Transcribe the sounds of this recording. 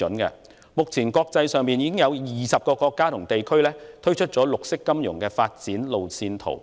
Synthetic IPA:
ɵ˨˥nkɛ̰˧ | mʊ˨k̚t͡sʰiː˨˩nkɔː˧k̚t͡sɐ˧jsœː˨˧ŋpiː˨njiː˧kɪ˥ŋjɐ˨˧wjiː˨sɐ˨p̚kɔː˧kɔː˧kːaː˥t̪ʰʊ˨˩ŋt̪e˨jkʰɵ˥ɥlɛː˥t̪ʰɵ˥ɥt͡ʃʰɵ˥t̚t͡sɔː˨˥lʊ˨k̚sɪ˥kːɐ˥mjʊ̰˨˩ŋkɛː˧faː˧t̚t͡siː˨˥nlo˨wsiː˧nt̪ʰo̰˨˩w

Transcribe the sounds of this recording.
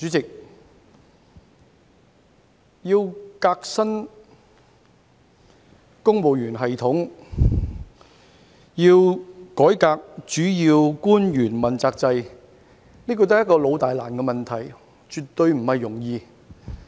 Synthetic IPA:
t͡ʃyː˨˥t͡sɪ˨k̚ | jiː˧wkaː˧k̚sɐ˥n | kʊ˥ŋpo˨wjyː˨˩nɦɐ˨jt̪ʰʊ˨˥ŋ | jiː˧wkɔː˨˥jkaː˧k̚t͡ʃyː˨˥jiː˧wkuː˥njyː˨˩nmɐ˨˩nt͡saː˧k̚t͡sɐ˧j | niː˥kɔ˧t̪ːjɐ˥kɔː˧lo˨˧wt̪aː˨jlaː˨˩nkɛː˧mɐ˨nt̪ʰɐ˨˩j | t͡ʃyː˨t̪ːɵ˧ɥm̩˨˩hɐ˨jːʊ˨˩ŋjiː˧

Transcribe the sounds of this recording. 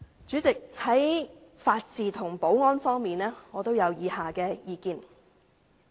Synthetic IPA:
t͡syː˨˥t͡sɪ˨k̚hɐ˨˥jfaː˧t̚t͡siː˨t̪ʰʊ˨˩ŋpo˨˥wŋɔː˥nfɔː˥ŋmiː˨nɛː˥ŋɔː˨˧t̪o˥wjɐ˨˧wjiː˨˧haː˨kɛː˧jiː˧kiː˧n

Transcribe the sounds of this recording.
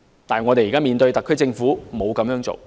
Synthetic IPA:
t̪aː˨˩ŋɔː˨˧t̪e˨jːkaː˥miː˨˩nt̪ɵ˧ɥt̪ɐ˨kʰːɵ˥t͡sɪ˧ŋfuː˨˥mo˨˧wkɐ˨˥mjœː˨˧˥ŋt͡so̰˨w

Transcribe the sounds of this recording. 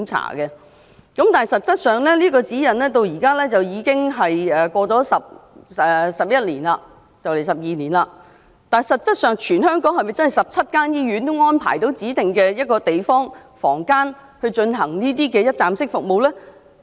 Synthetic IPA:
ŋt͡sʰa̰ː˨˩ɡɛ˧ | kɐ˨˥mt̪aː˨n˨jsɐ˨t̚t͡ssɐ˥t̚sœː˨˩ŋlɛː˥liː˥kɔː˧t͡siː˨˥jɐ˨˩nlɛː˥t̪o˧wjiː˨˩kaː˥lɛː˥t͡sɐ˨wjiː˨˧kɪ˥ŋɦɐ˨jɛː˨˩kʷɔː˧t͡sɔː˨˥sɐ˨p̚ɛː˨sɐ˨p̚jɐ˥t̚liː˨˩nla˧ | t͡sɐ˨wle˨˩jsɐ˨p̚jiː˨niː˨˩nlaː˧ | t̪aː˨sɐ˨t̚t͡sɐ˥t̚sœː˨ŋt͡ʃʰyː˨˩nɦœː˥ŋkɔː˨˥ŋhɐ˨jmɐ˨jt͡sɐ˥nhjsɐ˨p̚t͡sʰɐ˥t̚kaː˥njiː˥jyː˨˥nt̪ʊ˥ŋɔː˥npʰa̰ː˨˩jt̪o˨˥wt͡siː˨˥t̪ɪ˨ŋkɛː˧jɐ˥t̚kɔː˧t̪e˨jfɔː˥ŋfɔ̰ː˨˩ŋkaː˥n | hɵ˧ɥt͡ʃɵ˧nɦɐ˨˩ŋniː˥t̪̬iː˥kɛː˧jɐ˥t̚t͡saː˧msɪ˥k̚fʊ˨k̚mo˨wlɛː˥

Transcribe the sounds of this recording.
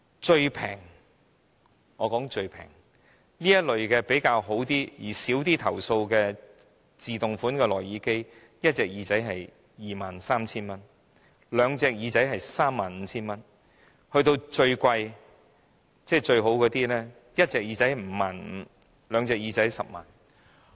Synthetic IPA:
t͡ʃɵ˧ɥpʰɛ̰ː˨˩ŋ | ŋɔː˨˧kɔː˨˥ŋt͡ʃɵ˧ɥpʰɛ̰ː˨˩ŋ | liː˥jɐ˥t̚lɵ˨ɥkɛː˧pe˨˥jkaː˧wɦo˨˥wt̪iː˥jiː˨˩siː˨˥wt̪iː˥t̪ʰɐ˨˩wso˧wkɛː˧ | t͡siː˨t̪ʊ˨ŋfuː˨˥nkɛː˧lɔː˨˩jiː˨˥ke˥j | jɐ˥t̚t͡sɛː˨k̚jiː˨˧t͡sɐ˨˥jɦɐ˨j | jiː˨maː˨nsaː˥mt͡sʰiː˥nmɐ˥n | lœː˨˧ŋt͡sɛː˨˧k̚jiː˨˧t͡sɐ˨˥jɦɐ˨jsaː˥mːaː˨nm̩˨˧t͡sʰiː˥nmɐ˥n | hɵ˧ɥt̪̬o˧wt͡ʃɵ˧ɥkʷɐ˧j | t͡sɛː˥˩t͡ʃɵ˧ɥɦo˨˥wkɔː˨˧t̪iː˥nɛː˥ | jɐ˥t̚t͡sɛː˨k̚jiː˨˧t͡sɐ˨˥jm̩ː˨˧maː˨nm̩˨˧ | lœː˨˧ŋt͡sɛː˨˧k̚jiː˨˧t͡sɐ˨˥jsɐ˨p̚ma̰ː˨n

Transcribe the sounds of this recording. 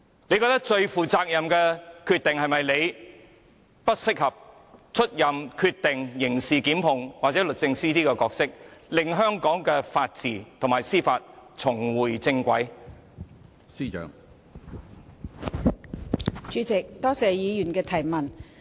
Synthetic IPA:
ne˨˧jkɔː˧kt̪ɐ˥k̚t͡ʃɵ˧ɥfuː˨˩t͡saː˧k̚jɐ˨mkɛː˧kʰyː˧t̪ɪ˨ŋhɐ˨jmɐ˨jle˨˧j | pɐ˥t̚sɪ˥k̚hɐ˨p̚ | t͡ʃʰɵ˥t̚jɐ˨mkʰy˧t̪ɪ˨ŋjɪ˨˩ŋsiː˨kiː˨˥mpʊ˨ŋwaː˨t̚t͡sɛː˨˥lɵ˨t̚t͡sɪ˧ŋsiː˥t̪iː˥kɛː˧kɔː˧k̚sɪ˥k̚lɪ˨ŋɦœː˥ŋkɔː˨˥ŋkɛː˧faː˧t̚t͡siː˨˩t̪ʰʊ˨ŋmaː˨jsiː˥faː˧t̚t͡sʰʊ˨˩ŋwuː˨˩jt͡sɪ˧ŋkʷɐ˨˥j | siː˥t͡ʃœ̰ː˨˥ŋ | t͡ʃyː˨˧t͡sɪ˨k̚t̪ɔː˥t͡sɛː˨jiː˨˧jy˨˩nkɛː˧t̪ʰɐ˨˩jmɐ˨˩n

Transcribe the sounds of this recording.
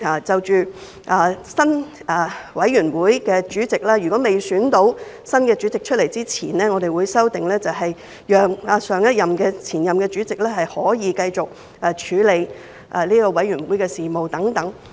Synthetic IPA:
aː˨˩t͡sɐ˨wt͡ʃyː˨ | ʔaː˨˩sɐ˥naː˨˩wɐ˨˥jɥyː˨˩nwuː˨˥jkɛː˧t͡ʃyː˨˥t͡sɪ˨k̚laː˥jɥy˨˩kɔ˨˥me˨˩jsyː˨˥nt̪o˨˥w | sɐ˥nkɛː˧t͡ʃyː˨˥t͡sɪ˨k̚t͡ʃʰɵ˥t̚le˨˩jt͡siː˥t͡sʰiː˨˩nlɛː˥ŋɔː˨˧d̪e˨jwuː˨˧jsɐ˥wt̪ɪ˨ŋlɛː˥t͡sɐ˨wɦɐ˨j | jœː˨ŋaː˨˧sœː˨˧ŋjɐ˥t̚jɐ˨mkɛː˧t͡sʰiː˨˩njɐ˨mkɛː˧t͡ʃyː˨˥t͡sɪ˨k̚lɛː˥ɦɐ˨jhɔː˨˥jiː˨˧kɐ˧jt͡sʊ˨k̚ | ʔaː˨˩t͡ʃʰyː˨˥le˨˧j | ʔaː˨liː˥kɔː˧wɐ˨˥jɥyː˨˩nwuː˨˥jkɛː˧siː˨mo˨wt̪ɐ˨˥ŋt̪ɐ˨˥ŋ

